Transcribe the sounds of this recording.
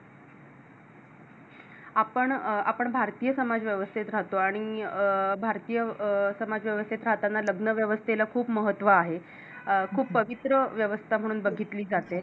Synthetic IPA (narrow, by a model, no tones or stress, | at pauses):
apəɳa̰pəɳbʱaɾt̪ijəsəmad͡zʋjəʋəst̪ʰit̪ɾaɦt̪oaɽ̃i | bʱaɾt̪iːjəsəmad͡zʋjəʋəst̪ʰit̪ɾaɦt̪anːaləɡnəʋjəʋəst̪ʰelakʰuːpməɦət̪ːʋəaɦe | kʰuːppːəʋit̪ɾəʋjəʋəst̪ʰam̤əɽ̃uːnbəɡʱit̪liːd͡zat̪e